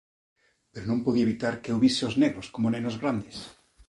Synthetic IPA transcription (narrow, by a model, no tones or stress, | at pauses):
peɾonõmpoðiaeβit̪aɾkeuβiseozneɣɾoskomonenozɣɾand̪es